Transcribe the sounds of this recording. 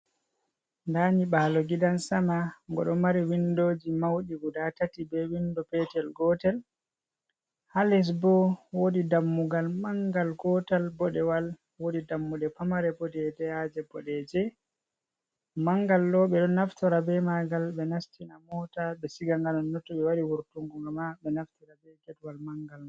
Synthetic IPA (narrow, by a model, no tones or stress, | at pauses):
ndaɲiɓaːlɔɡidansamaŋɡɔ̰ɗɔmaɾiwindoːd͡ʒimawɗiɡudatatibɛwindɔpɛtɛlɡɔtɛl | halɛs̬bɔwodidamːuɡalmaŋɡalɡɔtɛlbɔɗɛwal | wodidamːuɗɛpamaɾɛbɔdɛdɛad͡ʒɛbɔɗɛd͡ʒɛ | maŋɡalːɔɓɛɗɔnːaftɔɾabɛmaɡalɓɛnastinamɔtaɓɛsiɡaŋɡanɔːɔtːɔɓɛwaɾiwuɾtuŋɡuŋɡamaɓɛnaftiɾabɛɡɛtwalmaŋɡal